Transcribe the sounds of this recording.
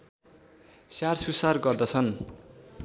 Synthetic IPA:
sjarsusarɡʌrd̪ʌt͡sʰʌn

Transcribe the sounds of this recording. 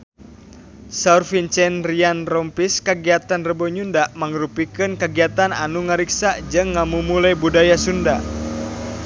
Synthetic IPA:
saurfint͡ʃɛnrianrɔmpiskəɡiat̪anrəbɔɲundaʔmaŋəɾupikɨnkəɡiat̪ana̰nuŋaɾiksad͡ʒɨŋːamumulajbudajasunda

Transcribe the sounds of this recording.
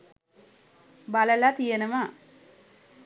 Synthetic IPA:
baləlat̪ijenəma

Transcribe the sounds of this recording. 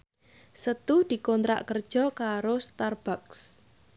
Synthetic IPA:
sət̪uhd̪̥i̤kɔnt̪ɾa̰ʔkərd̥ʒ̥ɔ̤kaɾost̪arb̥aks

